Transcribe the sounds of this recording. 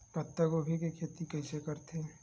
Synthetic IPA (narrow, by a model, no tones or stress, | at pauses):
pɐt̪ːəɡobʱikekʰeːt̪ikɐisekɐɾt̪ʰe